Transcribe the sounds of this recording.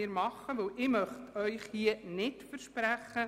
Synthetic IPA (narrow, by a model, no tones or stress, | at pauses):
ɪɾmɑχːəʋəwʔɪmœχtœʏχhiənɪtfəɾʃpræχːə